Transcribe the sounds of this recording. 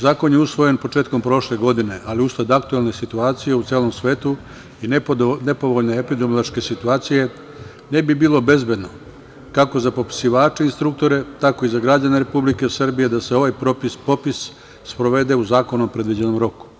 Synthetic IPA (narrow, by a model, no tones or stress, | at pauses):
zaːko̞njeusʋo̞je̞npo̞t͡ʂeːt̪̚ko̞mpɾo̞ʃle̞ɡo̞d̪ine̞ʔaliust̪ad̪akt̪uelˠne̞sit̪uaːt̪sije̞ut̪seːlo̞msʋe̞ːt̪u | inne̞po̞ʋo̞ʎne̞epid̪ɾomlˠoʃke̞sit̪uaːt̪sije̞ | ne̞bibiːlˠo̞be̞zbe̞d̪no̞ | kako̞zapopi̥siʋaːt͡ʃeinst̪ɾuk̚t̪o̞ɾe̞t̪ako̞izaɡɾad͡ʑaneɾe̞publike̞srbije̞d̪ase̞o̞ʋajpɾopispopis | spɾo̞ʋe̞d̪e̞uzaːko̞nompɾe̞d̪ʋid͡ʑeno̞mɾo̞ku̥